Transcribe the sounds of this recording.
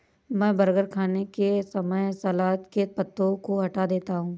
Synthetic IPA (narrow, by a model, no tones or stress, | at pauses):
mɛ̃ːbɐɾɡəɾkʰaːnekesɐməjsɐlaːt̪kepɐt̪ːõkoɦɐʈad̪eːt̪aɦũː